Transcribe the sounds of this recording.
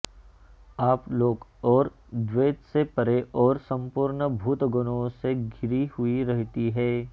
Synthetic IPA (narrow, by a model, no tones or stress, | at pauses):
aːploːɡɔːɾ | d̪ʋeːt̪sepɐɾeʔɔːɾsɐ̃mpuːɾɳəbʱuːt̪ɡʊnõseɡʱɪɾihʊiɾɛɦt̪iɦɛː